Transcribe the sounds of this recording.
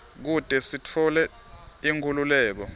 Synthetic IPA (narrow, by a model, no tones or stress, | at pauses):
k̬ud̥ʼʱɛsitʰɔlɛ | iŋkʰululɛːk̬ɔ